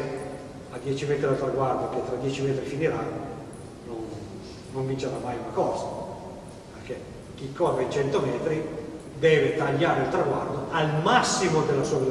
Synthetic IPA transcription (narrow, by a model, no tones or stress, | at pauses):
ad̪jɛːt͡ʃimɛːt̪ɾialt̪ɾaɡward̪oket̪ːɾad̪jɛːt͡ʃimɛːt̪ɾifiniɾanːo | nonː | oɱvint͡ʃeɾamːajunakɔːza | perk̟e | k̟ikʰːɔrːeit͡ʃɛnt̪omɛːt̪ɾi | d̪ɛːvet̪aʎːaːɾeilt̪ɾaɡward̪oʔalmasːimod̪elːasuabil